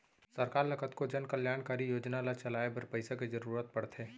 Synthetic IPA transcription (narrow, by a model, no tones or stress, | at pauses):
sɐɾkaːɾlɐkʰət̪kod͡ʒənkəljaːnkaːɾijoːd͡ʒnalat͡ʃɐlaːebəɾpəɪsaked͡ʒɐɾuːɾət̪̚pɐɽt̪ʰɦeː